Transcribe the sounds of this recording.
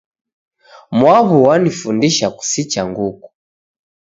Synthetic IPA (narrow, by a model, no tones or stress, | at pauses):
mwaβuwanifundiʃaku̥sit͡ʃaŋɡuku̥